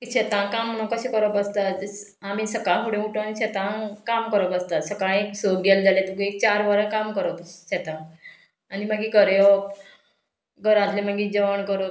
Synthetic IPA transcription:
kiɕet̪ãkamːənokəɕekəɾbəst̪a | amisəkaɦuɽẽuʈõaniɕɛt̪ãkamkəɾəbəst̪asəkaeksoɡeld͡zalet̪əkuek̚t͡ɕaɾʋəɾəkamkəɾət̪ɕɛt̪ãː | niməɡikəɾjo | ɡəɾãt̪leməɡiːd͡ʑəʋəɳkəɾo

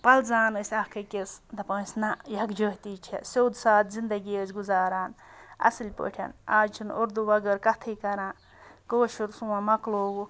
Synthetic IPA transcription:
pɐlzaːnɨsʲɐhkʰɐkʲesd̪ɐpɐːsʲnɐjɐɡd͡ʒəɦt̪iːt͡ʃʰḛsʲowd̪saːt̪zind̪ɐɡiəzɡuzaːɾaːnɐ̰sɨlʲpə̰ʈʰɐ̰naːd͡ʒt͡ʃʰunoɾd̪uʋɐɡɐɾkɐt̪ʰikɐɾãː | koːʃuɾsuwãmɐkloːɡu

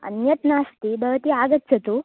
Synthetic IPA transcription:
ə̰njɐt̪nast̪ibʱəʋt̪iːaɡət̪̚t͡sɐt̪u

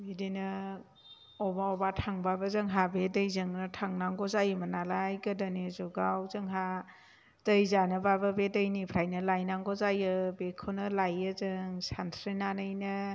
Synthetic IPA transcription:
bidinɯ | ɔbaɔbatʰaŋbabəzɯŋɦabedəjzɯŋnɯtʰaŋnaŋɡɔzajɯmənalajɡɯdanezuɡawzɯŋɦa | d̥əjzanɯbabəbedəjnipʰɾajnɯlajnaŋɡɔzajɯbekʰonɯlajɯzɯŋsantʰɾinanɯjnɯ

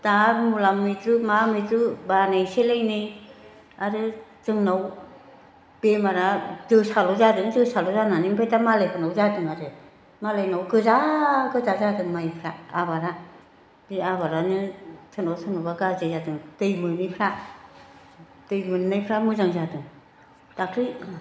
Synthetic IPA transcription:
tamulamːɯtɾumamɯtɾubanajselajnɯj | aɾɯzɯŋnaw | b̥emaɾazɯsalɔzadɯŋzɯsalɔzananimpʰajtamalajpʰɯnawzadɯŋaɾɯ | malajnawɡɯzaɡɯzazadɯŋmajpʰɾaːbaɾa | diabaɾanɯtʰɯnawtʰɯnɔbaɡazezadɯŋtɯjmɯnɯjpʰɾa | tɯjmɯnnajpʰɾamɯzaŋzadɯŋ | d̥akʰɾi

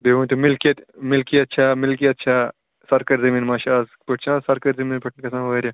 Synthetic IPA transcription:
beʋũnt̪umilkiɐt̪milkiɐt̪ːt͡ʃʰaːmilk̬iɐt̪ːt͡ʃʰaː | sɐɾkɐɾzɐmiːnmaːʃaːzpɐʈt͡ʃʰãsɐɾkɐɾzɐmiːnpɐʈnkɐsãːɐɐɾʲja

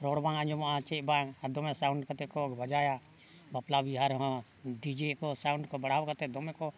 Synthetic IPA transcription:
ɾɔɽbãŋaɲd͡ʒɔmaʔãt͡ʃɛbãŋad̪ɔmɛ̃sawɳɖkat̪ɛkɔɡbəd͡ʒaja | baplabiɦaɾɦɔ̃ | ɖid͡ʒɛkɔsawɳɖkɔbəɽawkat̪ɛd̪ɔmɛkɔ

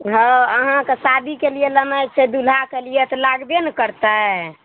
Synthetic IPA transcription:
ɦəəɦãkesad̪ʱikelijeləmajt͡ʃʰɛd̪ulakelijet̪ɔlaɡbenəkəɾt̪aɦɛ

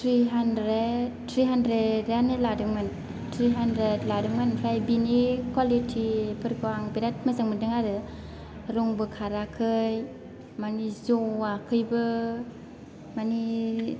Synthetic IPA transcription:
tʰɾiɦandɾet̚tʰɾiɦandɾedjanɯladɯŋman | tʰɾiɦandɾetladɯŋmanpʰɾajbinikʰwalitʰipʰɯɾɡaŋbiɾat̚mazɯŋmɯdɯŋaɾɯ | ɾɔŋbɯkʰaɾakʰɯj | manizoakʰɯjbɯ | mani

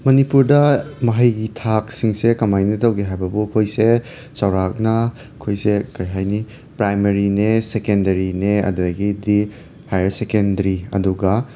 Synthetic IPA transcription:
mɐnipuɾdɐmɐɦɐjɡitʰak̚siŋsekɐmajnɐtɐwɡeɦajbɐbukʰojse | sɐwɾak̚nɐ | ɐkʰojsekɐɾiɦajni | pɾajmeɾinesekendɐɾineɐ̰dɐɡidi | hajsekendɐɾiɐ̰duɡɐ

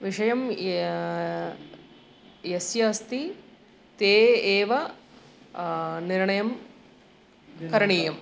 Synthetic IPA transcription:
ʋiʂɐjɐm | jesjɐːst̪i | t̪eːeːʋɐ | niɾɳɐjɐm | kɐɾɳiːjɐm

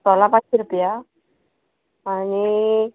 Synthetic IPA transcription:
sɔlapãt͡ʃɾupja | ni

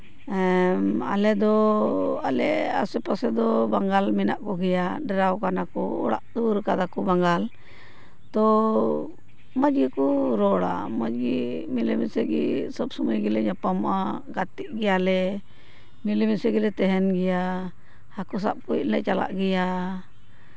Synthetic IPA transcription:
ma̰lɛd̪ɔ | alɛa̰sɛpasɛd̪ɔbaŋɡalminaʔkɔɡɛjaɖɛɾawkanakɔ̰ɔ̰ɽa̰ʔd̪uɾkad̪akɔbaŋɡal | t̪ɔ | mad͡ʒɡikɔɾɔɽa̰mad͡ʒɡimilɛmisɛɡḭsɔbsɔmajɡilɛɲapamʔaɡat̪iʔ̚ɡɛjalɛ | milɛmisɛɡilɛt̪ɛɦɛnɡɛja | hakɔs̬a̰p̚kuiʔ̚lɛʔt͡ʃala̰ʔɡɛja

